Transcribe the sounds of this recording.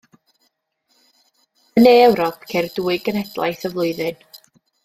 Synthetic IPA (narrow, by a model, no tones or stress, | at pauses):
əneːɛwɾɔpʰkʰerduːɨɡənɛdlˠa̰jθəvlˠʊɨðɨn